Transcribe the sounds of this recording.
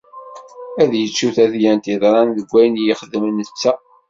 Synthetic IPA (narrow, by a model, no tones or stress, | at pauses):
æðjət͡ʃːuθæθjænt̪iðˤɾˤɑnðəɡʷːæjnjɪχəðmənːət͡sːæ